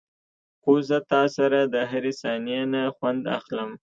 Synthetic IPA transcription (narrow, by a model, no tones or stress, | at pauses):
xozət̪ɑsaɾad̪əɦaɾesɑnijanaxwand̪a̰xləm